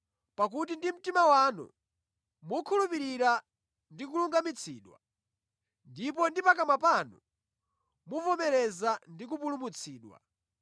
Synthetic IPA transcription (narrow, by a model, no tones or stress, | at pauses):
pak̬ut̬indim̩timawaːnṵ | mukʰulupiɾiɾa | ndik̬uluŋɡamit͡sʰḭːɗwa̰ | ndipɔndipakamapaːnṵ | muvɔmɛɾɛzandik̬upulumut͡sʰiːɗwa̰